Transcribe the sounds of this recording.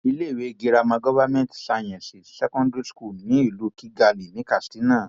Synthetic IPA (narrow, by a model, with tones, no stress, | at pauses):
i˧le˦˨we˨˦˧ɡi˧ɾa˧mã˧ɡɔ˦va˦mɛ̃˦ntsa˧j̃ɛ̃˨si˨sɛ˦kɔ̃˦ndɾi˦sku˦˨lnĩ˨˦i˦˨lu˨˦ki˦ɡa˧li˨nĩ˨˦ka˦˨stĩ˨˦nã˦˨